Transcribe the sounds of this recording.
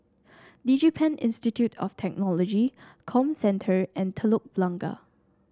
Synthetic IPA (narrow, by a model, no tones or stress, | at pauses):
did͡ʒipʰɛ̃nɪ̰̃nstitʰjutʰɔ̰ftʰɛk̚nɔlɔd͡ʒikʰɔ̃msɛ̃ntʰəɹɛ̃ntʰəlok̚b̥lãŋɡa̰